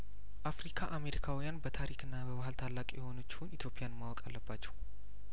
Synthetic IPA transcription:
ʔafɾikʰaʔame̞ɾikʰawijanbət̪ʰaɾikɨnːabəbahəlt̪ʰalːakʼijɛho̞nət͡ʃːɪ̥hunit̪ʰjo̞pʼɪjanmːawɔkʼalːəbat͡ʃːɛw

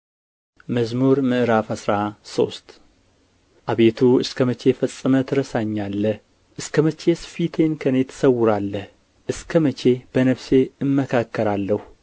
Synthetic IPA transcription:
məzmuɾmɨʔɨɾafasɾaso̞st̪ | ʔaβe̞t̪ʰuɨskʰəmət͡ʃe̞fəsʼːɨmət̪ʰɨɾəsaɲːalːəh | ʔɨskʰəmət͡ʃe̞sfit̪ʰe̞nkʰənet̪ʰə̥səwːʊɾalːəh | ʔɨskʰəmət͡ʃʰe̞b̥ənəβse̞ɨmːəkʰakːəɾalːəhu

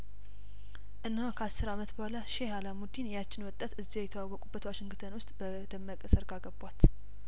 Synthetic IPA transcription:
ʔɨnːhokʰəasːɨɾamət̪bəhʷalaʃehalamud̪injat͡ʃːɪnwɔt̪ʼːət̪ɨzːiɛjɛt̪ʰəwawːɔkʼubːət̪waʃɪŋɡɨt̪ʰənwʊst̪ʼbə | d̪əmːəkʼəsəɾɡaɡəbat̪

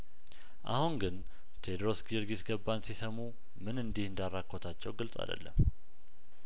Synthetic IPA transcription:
ʔa̰huŋɡɨn | t̪ʰed̪ɾo̞sɡiɾɡisɡəbːansisəmu | mɨnɨnd̪ihɨnd̪arːakʰʼːo̞t̪ʰat͡ʃːɛwɡɨlsʼa̰d̪ə̰lːə̰m

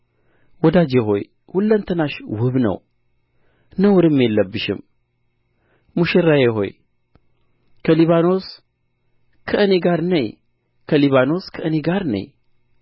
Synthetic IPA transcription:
wɔd̪ad͡ʒeɦo̞̰j | hulːənt̪ʰənaʃwɨβnə̰w | nəwʊɾɨmːjelːəbːɨʃɪ̰m | muʃɪɾːajeɦo̞̰j | kʰəliβano̞s | kʰəʔɨneɡaɾnəɲ | kʰəliβano̞skʰəʔɨneɡaɾnə̰ɲ

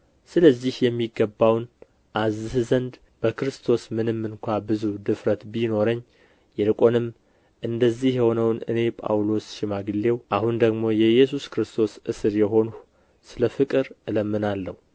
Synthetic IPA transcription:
sɨləzːihjɛmːiɡəbːawn | ʔazːɨhzənd̪ | b̥əkɨɾɨst̪ʰo̞smɨnɨmːɨnkʷʰabɨzud̪ɨfɾət̪bino̞ɾəɲː | jɛlɨkʼo̞nɨmː | ʔɨnd̪əzːihjɛho̞nəwnɨ̰ne̞pʼa̰wlo̞sʃɪmaɡɨlːe̞wʔahund̪əɡmo̞jɛjɛsuskɨɾɨst̪ʰo̞sɨsɨɾjɛɦo̞nu | sɨləfɨkʼɨɾɨləmːɨnalːəhu

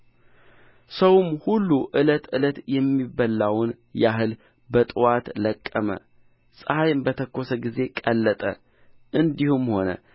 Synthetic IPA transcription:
səwmhulːuʔɨlət̪ɨlət̪jɛmːibəlːawn | jaɦɨl | bət̪ʼɨwat̪ləkʼːəmə̰ | sʼəhajmbət̪ʰəkːo̞səɡize̞kʼəlːət̪ʼə̰ | ʔɨnd̪ihumho̞nə̰

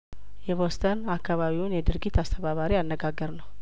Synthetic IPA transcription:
jɛβost̪ʰənakʰːaβaβiwunjɛd̪ɨɾɡit̪ast̪ʰəβaβaɾianːəɡaɡːəɾnəw

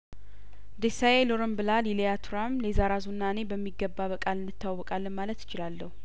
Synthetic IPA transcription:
d̪esajeloɾəmbɨlalilijat̪ʰuɾamlezaɾazunːane̞bəmːiɡːəbːaβəkʼalɨnːɨt̪ːawːɔkʼalːənmalət̪jɪ̥t͡ʃɪlalːəhu

